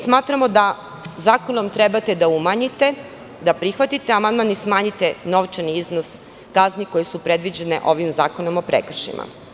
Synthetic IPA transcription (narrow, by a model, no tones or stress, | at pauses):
smaːt̪ɾamo̞d̪a | zaːko̞nomt̪ɾebat̪e̞d̪aumaɲit̪e̞ | d̪apɾixʋat̪it̪e̞amand̪manismaːɲit̪e̞no̞ʋt͡ʃaniiznos | kazniko̞jesupɾe̞d̪ʋid͡ʑe̞nḛʔo̞ʋimza̰ːko̞no̞mo̞pɾḛkr̩ʃḭmʔa̰